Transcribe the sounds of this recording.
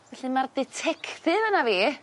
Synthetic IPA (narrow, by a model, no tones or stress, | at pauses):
vɛɬimardɪtʰɛkʰθɪvənaviː